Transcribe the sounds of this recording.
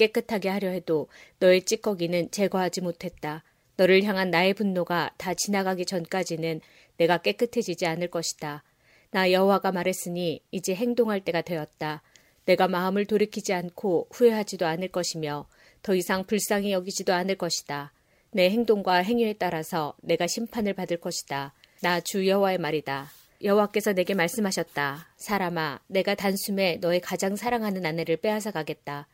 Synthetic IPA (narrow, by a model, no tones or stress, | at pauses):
k͈e̞k͈ɯtʰaɡe̞haɾjʌɦe̞donʌe̞t͡ɕ͈ik͈ʌɡinɯnt͡ɕe̞ɡʌɦad͡ʑimotʰe̞t̚t͈a | nʌɾɯɭçjaŋɦanːae̞punːoɡatat͡ɕinaɡaɡit͡ɕʌnk͈ad͡ʑinɯnː | e̞ɡak͈e̞k͈ɯtʰe̞d͡ʑid͡ʑianɯɭk͈ʌɕʰi̥d̥a | najʌɦowaɡamaɾe̞s͈ɯɲiːd͡ʑe̞ɦe̞ŋdoŋɦaɭt͈e̞ɡadweʌt̚t͈a | ne̞ɡamaɯmɯɭtoɾikʰid͡ʑiankʰoɸue̞ɦad͡ʑidoanɯɭk͈ʌɕʰimjʌ | tʌisʰaŋpuɭs͈aŋijʌɡid͡ʑidoanɯɭk͈ʌɕʰi̥d̥a | ne̞ɦe̞ŋdoŋɡwaɦe̞ŋie̞t͈aɾasʰʌne̞ɡaɕʰimpʰanɯɭpadɯɭk͈ʌɕʰi̥d̥a | nat͡ɕujʌɦowae̞maɾida | jʌɦowak͈e̞sʰʌne̞ɡe̞maɭs͈ɯmɦaɕʰʌt̚t͈asʰaɾamane̞ɡatansʰume̞nʌe̞kad͡ʑaŋsʰaɾaŋɦanɯnane̞ɾɯɭp͈e̞ɦas̬ʰaɡaɡe̞t̚t͈a